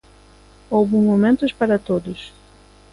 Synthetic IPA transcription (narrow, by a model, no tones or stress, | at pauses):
owbũmomẽnt̪ʊspaɾɐt̪od̪ʊs